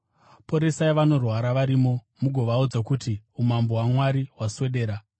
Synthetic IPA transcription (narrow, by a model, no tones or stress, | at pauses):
po̞ɾe̞saiʋano̞rwaɾaʋaɾimo̞ | muɡʱo̞ʋaud͡zakutiumambo̞ɦwamwaɾiwaswe̞ɗe̞ːɾa